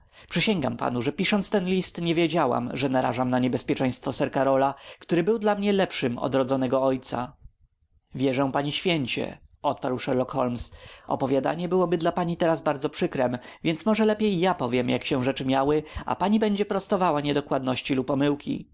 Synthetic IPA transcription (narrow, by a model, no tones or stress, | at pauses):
pʂɘɕɛŋɡampa̰nuʐɛpʲiʂɔnt̪st̪ɛnlʲist̪ɲɛvʲjed͡ʑawa̰mʐɛnaɾa̰ʐamnaɲɛbɛspʲjɛt͡ʂɛ̃j̃st̪fɔsɛɾkaɾɔlakt̪uɾɘbɘwd̪lamɲɛlɛpʂɘmɔ̰d̪ɾɔd̪zɔnɛɡɔɔjt̪sa̰ | vʲjɛʐɛ̃w̃paɲiɕfʲjɛɲt͡ɕɛ̰ɔt̪̚paɾwʂɛɾlɔkxɔlmsɔ̰pɔvʲjad̪a̰ɲɛbɘwɔbɘd̪lapaɲit̪ɛɾazbaɾd̪zɔpʂɘkɾɛmvʲjɛnt̪smɔʐɛlɛpʲjejːapɔvʲjɛmjakɕɛ̃w̃ʐɛt͡ʂɘmʲjawɘa̰paɲibɛɲd͡ʑɛpɾɔst̪ɔvawaɲɛd̪ɔkwad̪nɔɕt͡ɕilupɔmɘwkʲḭ